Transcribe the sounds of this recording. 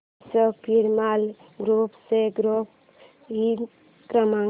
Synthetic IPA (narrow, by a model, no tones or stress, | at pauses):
sɔpiɾmal | ɡɾupseɡɾop̚ | ɦi | kɾama